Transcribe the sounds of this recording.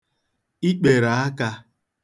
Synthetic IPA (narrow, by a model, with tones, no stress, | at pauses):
i˦k͡pe˨ɾa˨a˦ka˦